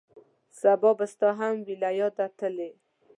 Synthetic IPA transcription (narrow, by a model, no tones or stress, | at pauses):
sabɔbast̪ɑɦamwilajɑd̪at̪əle